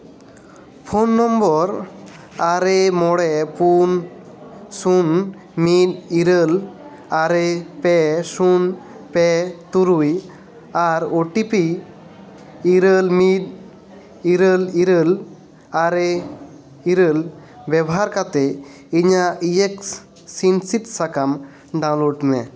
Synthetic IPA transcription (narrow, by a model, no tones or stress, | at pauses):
pʰonːɔmbɔɾ | aɾemɔɽɛpun | sun | mit̪̚iɾəl | aɾepɛsun | pɛt̪uɾuj | aɾoʈipi | ɾəlmid̚ | iɾəliɾəl | aɾe | iɾəl | bɛbɔɦaɾkat̪ɛ | iɲaieksː | insit̪sakam | ɖãw̃lɔɖ̪nɛ̰